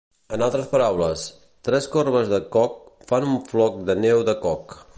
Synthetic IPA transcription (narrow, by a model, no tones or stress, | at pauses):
ənalˠt̪ɾəspəɾawləs | t̪ɾɛskorβəzðəkɔk̚fanuɱflɔk̚d̪ənɛwðəkɔk